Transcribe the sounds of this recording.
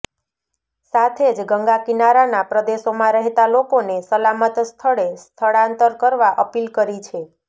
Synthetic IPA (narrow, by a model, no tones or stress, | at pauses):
sat̪ʰed͡ʒɡəŋɡakinaɾanapɾəd̪eʃomãɾəɦt̪alokonesəlamət̪st̪ʰəɭest̪ʰəɭãnt̪əɾkəɾʋaʔəpilkəɾit͡ʃʰe